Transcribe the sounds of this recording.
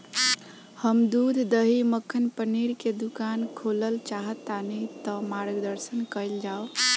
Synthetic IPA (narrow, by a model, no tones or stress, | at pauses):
həmd̪ud̪ʱd̪əɦiməkʰːənpəniɾked̪ukankʰoləlt͡ʃaɦət̪ːanɛt̪əmaɾɡd̪əɾsənkəɪld͡ʒao